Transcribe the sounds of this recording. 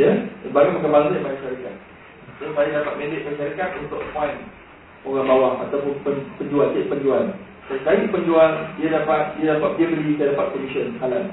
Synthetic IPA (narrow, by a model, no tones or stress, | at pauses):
jəbaɡamakanmalsajamanaʃaɾika̰t̪̚ | sosajadapat̪̚mẽndɪʔ̚bəʃaɾikat̪̚unt̪ʊkpan | oɣaŋbawahat̪awpʊnpənpəɲd͡ʒuant͡ʃaʔ̚pəɲd͡ʒuan | sasajipəɲd͡ʒuandiadapat̪̚diadapat̪̚diabəlit̪ədapat̪̚konisənkalan